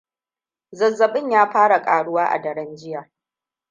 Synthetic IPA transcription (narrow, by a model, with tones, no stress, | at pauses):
zɐ˨zːɐ˨ɓɪ˦ɲjaː˦ɸaː˦ɽa˨kʼaː˨ɽʊ˦waː˦ʔa̰˨dɐ˨ɽɐ˦nd͡ʒɪ˦jaː˨